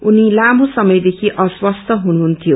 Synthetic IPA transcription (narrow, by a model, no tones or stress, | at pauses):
unilam̤ʱosʌmʌjd̪ekʰiʔʌswʌst̪ʰʌɦunuɦunt̪ʰijo